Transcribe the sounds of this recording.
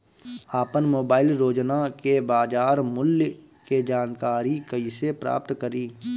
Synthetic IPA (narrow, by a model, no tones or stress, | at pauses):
aːpənmoːbaːɪlɾoːd͡ʒnakebaːd͡ʒaːɾmʊlj | ked͡ʒaːnkaːɾikəisepɾa̰ːp̚t̪kəɾiː